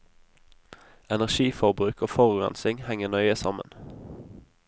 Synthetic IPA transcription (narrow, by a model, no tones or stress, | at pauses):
ɛnæʁʃiːfɔʁbʁʉːkoːfɔʁʉʁɑ̰nsɪŋhɛŋənœʏəsɑmə̰n